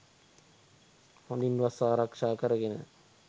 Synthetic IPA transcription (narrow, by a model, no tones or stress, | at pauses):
hond̪inʋasaːɾakʂaːkəɾəɡenə̰